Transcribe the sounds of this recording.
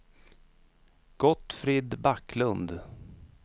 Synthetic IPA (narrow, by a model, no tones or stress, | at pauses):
ɡ̥ɔt̪fɾiːd̪baklɵnd̪